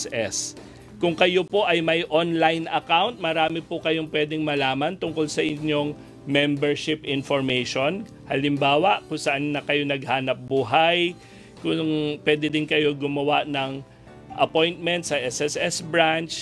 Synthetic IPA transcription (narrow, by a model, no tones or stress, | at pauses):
ɛs | kʊŋkɐjo̞po̞ʔɐjmɐjʔonlajnʔɐkawnt̪̚mɐɾaːmɪpʊkɐjo̞ŋpwɛd̪ɛŋmɐlaːmɐnt̪ʊŋko̞lsɐʔɪɲːo̞ŋ | mɛmbɛɹʃɪpʔɪnfoɹmɛjʃo̞n | hɐlɪmbaːwɐʔkʊŋsɐʔanːɐkɐjo̞nɐɡ̚haːnɐp̚buːɦaj | kʊŋpwɛːd̪ɛd̪ɪnkɐjo̞ɡʊmɐwaʔnɐŋ | ʔɐpo̞jnt̪̚mɛnt̪sɐʔɛsɛsɛsbɹant͡ʃ